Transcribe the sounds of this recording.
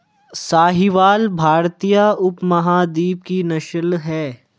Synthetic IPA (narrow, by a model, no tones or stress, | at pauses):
saːɦiʋaːlbʱaːɾt̪ijaʊpmɐɦaːd̪iːp̚kinɐʃəlɦɛː